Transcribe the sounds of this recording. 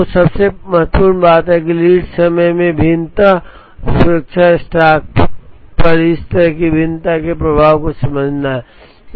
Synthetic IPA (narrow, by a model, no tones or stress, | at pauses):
osɐbsemɐɦət̪ːpuːɾmbaːt̪ɦɛkiliːɖsəməjmẽbʱɪnt̪a | sʊɾək̚t͡ʃʰasʈaːk̚pəɾɪst̪əɾəɦkibʱɪnt̪akepɾəbʱaːʋkosɐ̃mbəd͡ʒʱnaɦɛ